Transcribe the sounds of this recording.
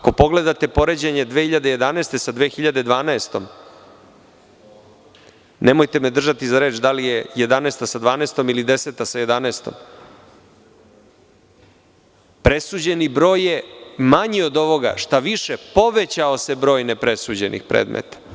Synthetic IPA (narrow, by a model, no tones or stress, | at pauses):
ako̞po̞ɡle̞d̪at̪e̞po̞ɾed͡ʑeɲe̞d̪ʋexiʎad̪eje̞d̪anaːst̪e̞sad̪ʋeːxiʎad̪e̞d̪ʋaːnaest̪o̞m | nemojt̪emed̪r̩ʒat̪izaɾe̞ːt͡ʃd̪alijeje̞d̪anaːst̪asad̪ʋaːnest̪o̞milid̪e̞set̪asaje̞d̪anast̪o̰m | pɾe̞suːd͡ʑe̞nibɾo̞ːjemaɲio̞d̪o̞ʋo̞ɡa̰ʂt̪aʋiʃepo̞ʋet͡ɕaose̞bɾo̞ːjnepɾe̞suːd͡ʑe̞nʔḭxpɾʔḛːd̪mḛt̪ḁ